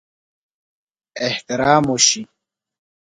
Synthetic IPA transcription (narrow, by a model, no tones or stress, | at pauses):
eht̪iɾaːmoɕi